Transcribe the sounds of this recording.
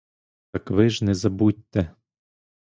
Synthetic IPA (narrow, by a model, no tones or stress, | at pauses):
t̪ɐkʋɪʒnɛzɐbut̚ʲt̪ːɛ